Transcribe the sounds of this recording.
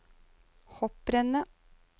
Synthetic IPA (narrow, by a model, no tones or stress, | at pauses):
hɔp̚ɾɛnə